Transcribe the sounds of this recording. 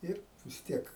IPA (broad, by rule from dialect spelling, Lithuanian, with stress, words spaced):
ˈɪr ʋʲɪs ˈtʲiɛk